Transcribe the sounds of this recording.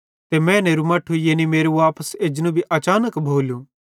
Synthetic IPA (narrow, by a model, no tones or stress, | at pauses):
t̪emɛ̃neːɾumɐːʈʰːujeːnimeːɾuʋaːpəseːd͡ʒñũbʱiʔɐt͡ʃaːnəkbʱoːljũ